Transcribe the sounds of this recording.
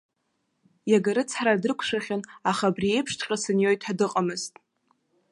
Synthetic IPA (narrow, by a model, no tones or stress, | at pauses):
jaɡaɾɨt͡sʰħɾadɨrkʷʰʂaχʲɪnaχabrie̞jpʰʂtʰqʲʼasɨnjo̞jtʰħadɨqʼamɨztʼ